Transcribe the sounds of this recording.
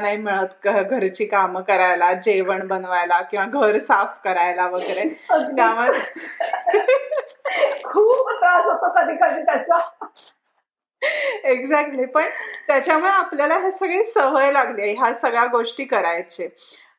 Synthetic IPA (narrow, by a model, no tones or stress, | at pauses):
naɦimiɭət̪əɡʱəɾt͡ɕiːkamkəɾajlad͡ʑeʋəɳbənʋajlakĩw̃ʋaɡʱəɾsafkəɾajlaʋəɡɾet̪jamod̪ʱe | kʰuːpt̪ɾasat̪okəd̪ʱiːkəd̪ʱiːt̪jat͡sa | eɡd͡zæk̚ʈliːpəɳt̪jat͡ɕjamuɭeapljalaɦesəɡɭesəʋəjlaɡlieɦasəɡɭaɡoʂʈiːkəɾajt͡ɕe